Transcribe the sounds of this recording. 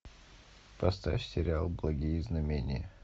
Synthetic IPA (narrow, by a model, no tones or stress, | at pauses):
pɐst̪a̰fʲsʲɪɾʲalˠblˠɐɡʲijəznɐmʲenʲɪ̰jə